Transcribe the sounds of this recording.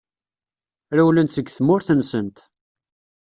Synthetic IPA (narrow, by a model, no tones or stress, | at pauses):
ɾæwlənt̪θəɡθəmːʊɾθənsənt̪